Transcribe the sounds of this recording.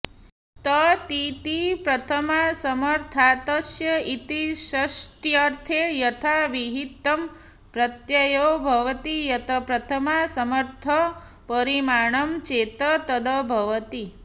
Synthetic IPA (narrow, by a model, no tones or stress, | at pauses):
t̪ət̪it̪ipɾɐt̪ʰəmasəməɾt̪ʰat̪əsjəit̪iʃɐsʈjaɾt̪ʰejɐt̪ʰaʋiɦit̪ːɐm | pɾɐt̪jɐjobʱɐʋt̪ijɐt̪ʰɐpɾɐt̪ʰəmasɐməɾt̪ʰə | pəɾimaɳ̃əmt͡ʃet̪ət̪əd̪ʱəbʱɐʋət̪i